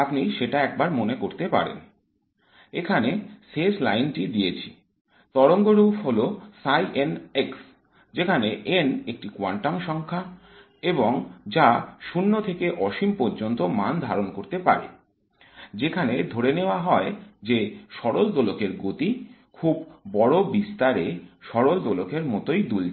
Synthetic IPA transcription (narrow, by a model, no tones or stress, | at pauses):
apniʃeʈaɛk̚baɾmonekoɾt̪epa̰ɾḛn | ekʰaneseslajnʈid̪iet͡ɕʰi̥ | t̪ɔɽoŋɡoɾupʰɦolosajʔeneks | d͡ʑekʰaneʔenek̚ʈikowa̰ɳʈamʃɔŋkʰa | eboŋd͡ʑaʃunːot̪ʰekeʔɔʃimpoɾd͡ʑont̪omand̪ʱaɾonkoɾt̪epa̰ɾḛ | d͡ʑekʰaned̪ʱoɽeneoaɦɔed͡ʑeʃɔɽold̪olokeɾɡot̪i | kʰubːɔɽobist̪aɾeʃɔɽold̪olokʰeɾmɔt̪ojd̪ul